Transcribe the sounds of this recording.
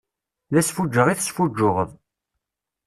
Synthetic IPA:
læsfud͡ʒːəʁiθsfud͡ʒːʊʁə̰ðˤ

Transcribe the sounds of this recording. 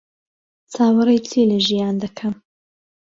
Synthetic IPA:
t͡sʰaːwɨɾɐjt͡sʰeːlɐʒijaːnd̪ɐkʰɐm

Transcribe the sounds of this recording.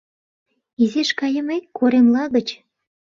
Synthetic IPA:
izeʃkɑjə̆mekoɾemlɑɣə̆t͡ɕ

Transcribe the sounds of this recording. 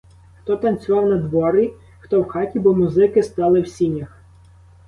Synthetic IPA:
xt̪ɔt̪ɐnt͡sʲʊʋɑwnɐd̪ʋɔɾi | xt̪ɔwxɑtʲibɔmʊzɪkɪst̪ɑlˠɪwsʲinʲɐx

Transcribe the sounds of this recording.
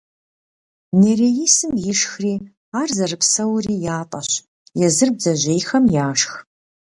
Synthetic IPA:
neːɾejisɨmjɪʂxriː | aːrzɐrɨpsɐwriːjaːtʼɐ̰ɕ | jɛzɨrbzɐʑʷeːjxɐmjaːʂx

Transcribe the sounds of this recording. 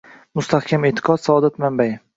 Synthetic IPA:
mʊst̪ʰahkʲamet̪ʰːɪ̥qʰɒt̪saɒd̪at̪mambaj

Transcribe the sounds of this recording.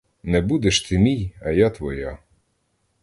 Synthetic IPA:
nɛbud̪ɛʃt̪ɪmʲijɐjat̪ʋɔja

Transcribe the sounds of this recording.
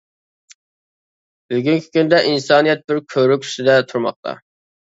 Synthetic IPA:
b̥yɡʲiŋkʲʰi̥kʲynd̪ɛʔinsɑːnijɛt̪̚bɪɾkʲʰøɾykʲʰy̥ʃɪd̪ɛt̪ʰuɾmɑ̰χ̚t̪ʰɑ̰

